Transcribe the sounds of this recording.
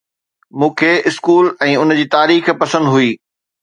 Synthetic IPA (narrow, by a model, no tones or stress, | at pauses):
mũːkʰeːɪskuːlɛ̃ːʊnd͡ʑiːt̪aːɾiːxpɐsə̃nd̪ɦuiː